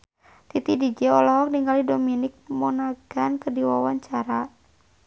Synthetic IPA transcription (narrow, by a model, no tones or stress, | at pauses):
t̪it̪idid͡ʒɛɔlɔk̚niŋɡalidominɪk̚mɔnaɡankərdiwawaɲt͡ʃaɾa